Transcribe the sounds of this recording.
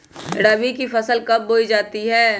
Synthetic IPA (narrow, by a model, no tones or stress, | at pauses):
ɽəbikifʰɐsəlkɐb̚ːoːid͡ʒaːt̪iɦɛː